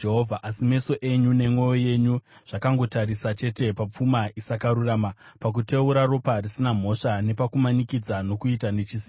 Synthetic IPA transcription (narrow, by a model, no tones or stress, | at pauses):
eɦovʱaʔasime̞so̞ʔe̞ɲune̞mwo̞joje̞ɲuʐ̥akaŋɡo̞taɾisat͡ʃe̞te̞pap͡fumaisakaɾuraːmapak̬ute̞uɾaro̞parisinam̤o̞ʂane̞pakumanikid͡zano̞kuitane̞t͡ʃisi